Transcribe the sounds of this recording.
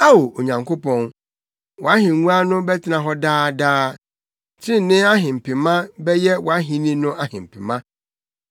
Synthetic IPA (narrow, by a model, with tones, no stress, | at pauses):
a˦wo˨o˨ɲã˨ŋko˦pɔ̃˦n | wɔ˨a˦ɦĩ˨ŋũ˦a˦nʊ̃˦bɛ˦tʰɪ˦nã˨ɦɔ˦daː˦daː˦ | tʰɪ̃˦n˨nɪ̃˦a˦ɦɪ̃˨m̩˨pɪ̃˨mã˦bɛ˦jɛ˦wɔ˨a˦ɦĩ˨nĩ˦nʊ̃˦a˦hɪ̃˨m̩˨pʰɪ˨mã˦